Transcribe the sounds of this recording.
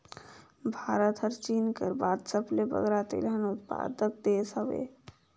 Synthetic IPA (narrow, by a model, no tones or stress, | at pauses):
bʱaːɾət̪ɦəɾt͡ʃiːnkəɾbaːd̪səplebə̰ɡɾat̪ḛlɦənʊt̪pa̰ːd̪ək̚d̪eːsəʋḛː